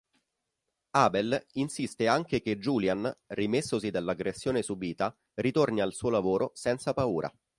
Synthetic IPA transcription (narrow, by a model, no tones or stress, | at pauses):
aːbelinsist̪eaŋk̟ek̟ed͡ʒuːljanrimesːosid̪alːaɡːɾesːjoːnesubiːt̪a | rit̪ornialsuːolavoːɾʔosɛnt̪sapauːɾʔa̰